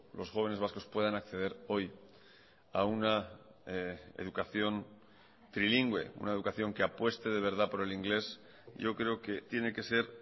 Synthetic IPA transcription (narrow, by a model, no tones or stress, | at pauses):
lo̞sxo̞β̞e̞ne̞zβ̞asko̞spwe̞ð̞anakθe̞ð̞e̞ɾo̞j | auna | ḛðukaθjo̞n | t̪ɾiliŋɡwe̞̰ṵnae̞ð̞ukaθjo̞ŋke̞apwe̞st̪e̞ð̞e̞β̞e̞ɾð̞apo̞ɾe̞liŋɡle̞s | ɟ͡ʝo̞kɾe̞oke̞t̪je̞ne̞ke̞se̞ɾ